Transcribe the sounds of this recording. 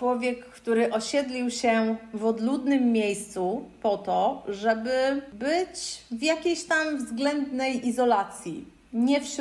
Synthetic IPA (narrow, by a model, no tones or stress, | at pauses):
wɔvʲjɛkːt̪uɾɘʔɔɕɛd̪lʲiwɕɛvɔd̪lud̪nɘmːʲejst̪supɔt̪ɔʐɛbɘbɘt͡ɕvjakʲejɕt̪amvzɡlɛnd̪nɛjʔizɔlat̪sʲjḭ | ɲɛfʂ